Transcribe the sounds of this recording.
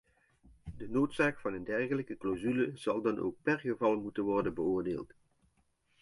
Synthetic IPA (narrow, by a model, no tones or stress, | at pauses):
dənoːtsaːkfɑnəndɛrχələkəklowzyləz̥ɑlˠdɑnʔo̰wk̚pɛrχəvɑlˠmutənʋɔrdənbəʊːɹdeːlˠt